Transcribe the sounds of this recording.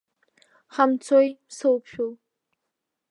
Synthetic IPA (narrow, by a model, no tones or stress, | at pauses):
χamt͡sʰojpsɨwpʰʃᶣul